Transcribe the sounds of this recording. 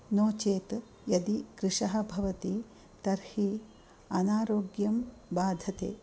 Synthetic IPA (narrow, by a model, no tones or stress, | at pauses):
noːt͡ʃeːt̪ | jɐd̪ikɾɪʂɐɦɐ̆bʱɐʋɐt̪i | t̪ɐɾhi | ɐnaːɾoːɡjɐmbaːd̪ʱɐt̪ḛː